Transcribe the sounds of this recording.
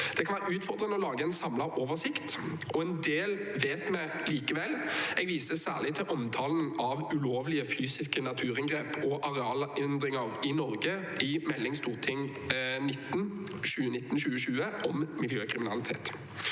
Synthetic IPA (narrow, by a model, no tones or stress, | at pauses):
d̪̥ɛkʰɑnʋæːʁəʉːt̪fɔʁd̪ɾʁənəɔlɑːɡəɛnsɑmlɑoːʋəsɪkt̪ | ʔɔɛnd̪eːlʋeːt̪mɛ | liːkəʋɛlːɛɡʋiːsəsæ̰ːʁlɪt̪ʰɪlʔɔmt̪ʰɑːlnɑʋʉloːʋlɪəfyːsɪskənɑt̪ʰʉːʁɪŋɡʁeːpʰɔʔɑʁɛɑːlɪnd̪ɾɪŋəʁɪnɔʁɡə | ɪmɛlːɪŋst̪uːʁt̪ʰɪŋ | nɪt̪ːnʃʉːənɪt̪ːn̩ʃʉːəʃʉːəʔɔmmɪljøːkʰɾɪmɪnɑlɪt̪ʰḛːt̪